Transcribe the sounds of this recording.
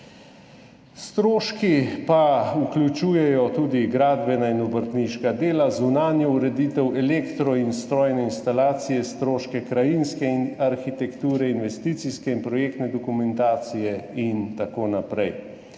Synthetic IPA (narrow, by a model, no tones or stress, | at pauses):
st̪ɾoːʃkipauklʲut͡ʃuːjɛjɔt̪uːd̪iɡɾaːd̪bɛnainɔbəɾt̪niʃkad̪eːlazunaːnjɔuɾɛd̪iːt̪ɛwɛlekt̪ɾɔinst̪ɾɔːjnɛinst̪alaːt̪sijɛst̪ɾoːʃkɛkɾajinskɛinaɾxit̪ɛkt̪uːɾɛinʋɛst̪iːt̪siskɛinpɾɔjeːkt̪nɛd̪ɔkumɛnt̪aːt̪sijɛint̪akoːnapɾɛj